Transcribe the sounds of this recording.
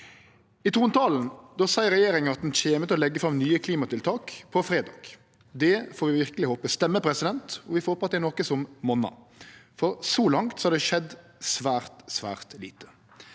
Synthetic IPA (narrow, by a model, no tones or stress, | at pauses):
ɪt̪ʰuːnt̪ʰɑːln̩d̪ɑːsæɪɾɛjeːɾɪŋənɑt̪̚d̪nçeːmət̪ɔlɛɡːəfɾɑmnyːəkʰliːmɑt̪ɪlt̪ʰɑːkpʰɔfɾeːd̪ɑ̰ːɡ̥ | d̪ɛfoːɾʋɪʋɪʁkəlɪhoːpəst̪ɛmːəpʰɾɛsɪd̪ɛnt̪ɔʋɪfhoːpɑt̪d̪ɛnɔkəsɔmmɔnɑ̰ | fɔɾsɔlɑŋt̪sɔhɑɾd̪ɛʃɛd̪ | sʋæːʁt̪sʋæ̰ːʁt̪liːt̪ə̥